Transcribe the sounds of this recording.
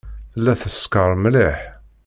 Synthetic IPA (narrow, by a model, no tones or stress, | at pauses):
θəlːæθəskəɾˤmliħ